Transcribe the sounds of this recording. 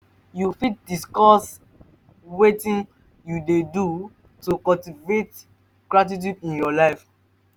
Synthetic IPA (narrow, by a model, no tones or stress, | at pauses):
jufit̚diskɔs | wetĩn | judedu | tukɔltivet | ɡɹat̬it̬judĩnjɔlaɪf